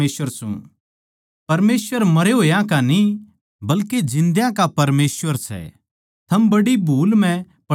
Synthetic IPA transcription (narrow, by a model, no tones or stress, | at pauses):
eːsəɾsṵ̃ | pɐɾmeːsʋəɾmɐɾeɦoːjãkani | bɐlked͡ʒɪ̃nd̪jãkapɐɾmeːsʋəɾsɛ̰ | t̪ʰɐmbɐɽibʱuːlm̤ɛ̃ | pɐ